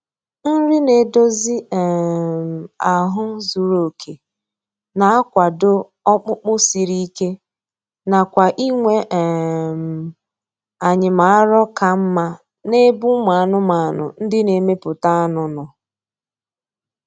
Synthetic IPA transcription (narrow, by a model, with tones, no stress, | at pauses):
n̩˦ɾɪ˦ne˨do˦zi˦ɛ˨m̩˨a˨ɦʊ˦zu˨ɾo˨kʰe˨ | na˨a˦kʷa˨do˦ | ɔ˦k͡pʊ˦k͡pʊ˦si˨ɾi˦ke˦ | na˨kʷa˨ʔi˦ŋʷe˦ʔm̩˨ | a˨ɲɪ˨ma˨a˦ɾɔ˦ka˨m̩˦ma˦ | ne˦bu˦ma˨a˦˨nʊ˦ma˨a˨nʊ̰˨n̩˦dɪ˦ne˨me˦pʊ˨ta˦a˦nʊ˨nʊ˨